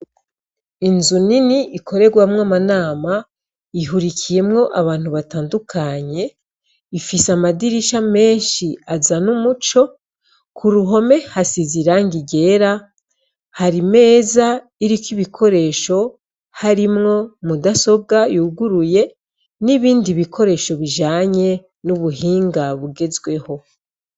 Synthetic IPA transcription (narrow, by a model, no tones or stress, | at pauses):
inzuniniʔikʰo̞ɾe̞ɡwamŋamanaːma | iɦuɾikʰije̞mŋo̞ʔaβaːn̥huβataːndukʰaɲe̞ | ifisamadiɾiʃame̞ːnʃiazanumut͡ʃo̞ | kʰuɾuɦo̞me̞hasiziɾaŋɡiɟe̞ɾa | haɾime̞ːza | iɾikwiβikʰo̞ɾe̞ːʃo̞ | haɾimŋo̞mudaso̞ɡajuɡuɾuje̞ | niβiːndiβikʰo̞ɾe̞ːʃo̞βiʒaːɲe̞ | nuβuɦiːŋɡaβuɡe̞zɡwe̞ho̞